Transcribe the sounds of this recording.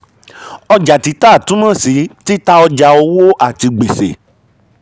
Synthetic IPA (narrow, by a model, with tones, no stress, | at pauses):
ɔ˧d͡ʒa˨ti˧˦ta˦˨tũ˦mã˦˨si˨˦ti˦ta˦ɔ˧d͡ʒa˧o˧wo˦ʔa˦˨ti˧ɡ͡be˨sḛ˨